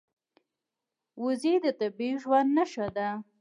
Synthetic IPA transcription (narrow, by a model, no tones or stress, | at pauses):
wʊzid̪ət̪abiʒwand̪naʃad̪a